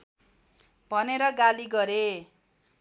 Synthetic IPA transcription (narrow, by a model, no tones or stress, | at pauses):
bʱʌneɾʌɡaliɡʌɾe